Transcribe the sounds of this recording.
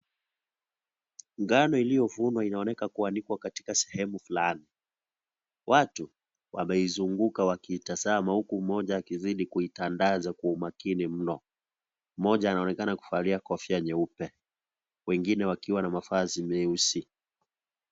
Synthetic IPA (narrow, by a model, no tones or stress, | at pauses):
ŋɡanɔilijɔvunwainaɔnɛkakuanikwakati̥kasɛhɛmufulani | wʔatu | wʔa̰mɛizuŋɡukawakiːtazamahukum̩mɔʄaːkiziɗikuitandazakuːmakinim̩nɔ | m̩mɔʄaːnaɔnɛkanaku̥faliakɔfiaɲɛupɛ | wɛŋɡinɛwakiwanamafazimiusi